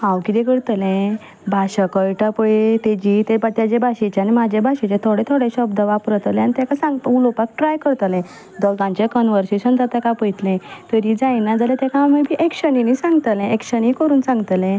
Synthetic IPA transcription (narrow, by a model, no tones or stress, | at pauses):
ɦãwkit̪ẽkəɽt̪lɛ̃ | bʱaɕəkəɭʈapəjet̪ed͡ʑit̪ebat̪jad͡ʑebʱaɕet͡ɕjanimad͡ʑʱebʱaɕet͡ɕet̪ʰoɽẽt̪ʰoɽeɕəbd̪əʋapɾət̪əlɛ̃anit̪jakasãŋɡt̪əulopak̚ʈɾajkəɾt̪əlɛ̃ | d̪ɔlt̪ãɲt͡ɕekənʋəɾseɕənd͡zat̪akapəjt̪lɛ̃t̪əɾid͡zajnad͡zalɛ̃t̪jakaməbʱiʔekɕəninisãŋɡt̪əlɛ̃ekɕənikəɾuːnsãŋɡt̪lɛ̃